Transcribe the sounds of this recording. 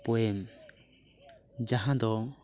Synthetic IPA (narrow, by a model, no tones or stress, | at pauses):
pɔem | d͡ʒaɦãd̪ɔ